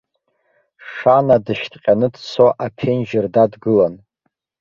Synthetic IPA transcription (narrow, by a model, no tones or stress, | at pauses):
ʂanadɨʃtʰʼqʲʼanɨdsʰoʔapʰenʒɪrdadɡɨlan